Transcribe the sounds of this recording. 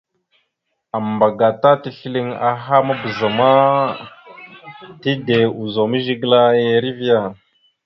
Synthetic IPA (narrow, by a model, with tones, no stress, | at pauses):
a˨mba˨ɡa˨ta˦ti˨ɬi˦li˦ŋa̰˨ɦa˦ma˦bə˨za˨ma˦ | ti˦de˨u˨zo˨mə˦ʒi˦ɡla˦je˦ɾi˦vi˦ja˨